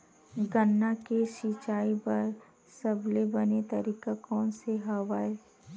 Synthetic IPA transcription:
ɡənːakeʃit͡ʃaːibɐɾ | sɐblebɐnet̪ɐɾiːkakɔːnseɦaʋaːe

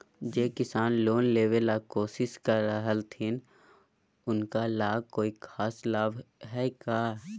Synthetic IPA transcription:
d͡ʒeːkɪsaːnloːnleːʋelaːkoːsɪʃkəɾəɦəlt̪ʰin | ʊnkalaːb̚koːikʰaːslaːbɦɛːkaː

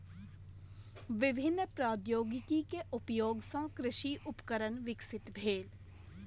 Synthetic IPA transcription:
ʋɪbʱɪnːpɾaːd̪joːɡɪkikeʔʊpjoːɡsãkɾɪʃiʔʊpkəɾənʋɪksɪt̪bʱeːl

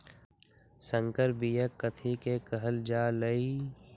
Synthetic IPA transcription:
sə̃ŋkəɾbijəkːət̪ʰikekəɦəld͡ʒaːləi

